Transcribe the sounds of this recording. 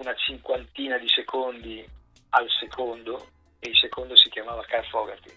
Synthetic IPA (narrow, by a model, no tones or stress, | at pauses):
unat͡ʃiŋkwant̪iːnad̪isekʰond̪i | alsekʰond̪o | eilsekond̪osikjamaːvakarfɔɡa̰t̪i